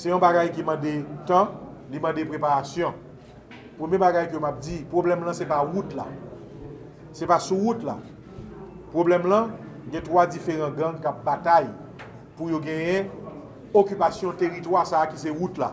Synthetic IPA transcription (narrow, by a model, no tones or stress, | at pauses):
sɛjɔ̃baɡajkimãdet̪ãlimãdepʁepaʁasjɔ̃ | pʁəmjebaɡajkømap̚d͡zipʁoblɛmlãsɛpaʁutla̰ | sɛpasuʁutla̰ | pʁoblɛmlɐ̃ | ɡɛ̃t̪ʁwad͡zifeʁɑ̃ɡãŋkap̚bataj | pujoɡɛ̃jɛ̃ | okypasjɔ̃t̪eʁitwaʁsaːkiseʁutla̰